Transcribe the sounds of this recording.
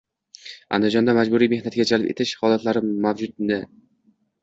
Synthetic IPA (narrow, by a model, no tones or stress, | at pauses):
a̰nd̪ɪd͡ʒɒnd̪amad͡ʒbʊɾijme̞hnat̪ɪɡʲad͡ʒalpe̞̰t̪ʰɪʃhɒlˠat̪laɾɪmavd͡ʒʊd̪̚nɪ